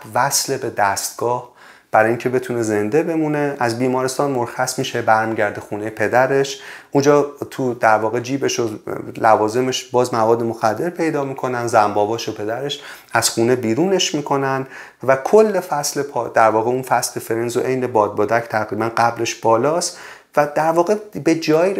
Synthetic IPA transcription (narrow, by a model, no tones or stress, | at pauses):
væslebe̞d̪æst̪̚ɡ̥ɒːh | b̥æɾɒːjiŋcʰe̞be̞t̪ʰuneze̞nd̪e̞be̞mune̞æzbiːmɒːɾest̪ɒːnmoɾxæsmiːʃebæɾmiɟæɾd̪exuːnejepʰe̞d̪æɾe̞ʃʔund͡ʒɒːt̪ʰud̪æɾvɒːɣe̞d͡ʒiːbeʃolævɒːze̞meʃbɒːzmævɒːd̪ːemo̞xæd̪ːe̞ɾpʰe̞jd̪ɒːmiːkʰo̞nænzæmbɒːbɒːʃopʰe̞d̪æɾe̞ʃ | æz̥xuːne̞biːɾuːne̞ʃmiːkʰo̞nænd̪ | vækʰolːe̞fæslepʰɒd̪æɾvɒːɣeunfæsle̞fe̞ɾenzoʔe̞jne̞bɒːd̪̚bɒːd̪æcʰt̪ʰæɣɾiːbænɢæbɾe̞ʃb̥ɒːlɒːst̪ | væd̪æɾvɒːɣebe̞d͡ʒɒːji